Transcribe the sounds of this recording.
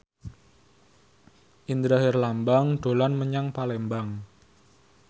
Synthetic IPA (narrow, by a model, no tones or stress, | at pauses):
ʔind̪ɾaɦɪrlambaŋɖ̪̥o̤lanməɲaŋpalɛmbaŋ